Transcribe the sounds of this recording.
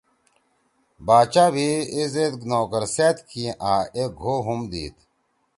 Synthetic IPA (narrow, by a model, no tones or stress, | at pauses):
baːt͡ɕaːbʱiezet̪noːkəɾseːt̪kʰĩːʔaːeɡʱoːɦumd̪ḭːt̪